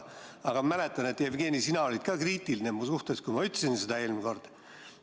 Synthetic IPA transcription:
ɑɡ̥ɑmæle̞t̪ːˑɑne̞t̪ːˑevɡ̥e̞ːnisinɑo̞lʲid̪̥kɑːkriːt̪ːˑilinemusuht̪eskujmɑyt̪ːsinsed̪ɑe̞ːlmko̞rd̪̥ɑ

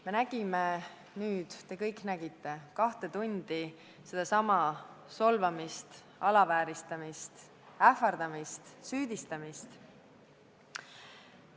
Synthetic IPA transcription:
me̞næɡ̥ime | nyːd̪̥t̪e̞kɤjkˑnæɡ̥it̪ːˑe̞kɑht̪e̞t̪unʲd̪̥i | se̞d̪̥ɑsɑmɑso̞lvɑmist̪ | ɑlɑvæːɾist̪ɑmist̪ | æfɑrd̪̥ɑmist̪syːd̪̥ist̪ɑmist̪

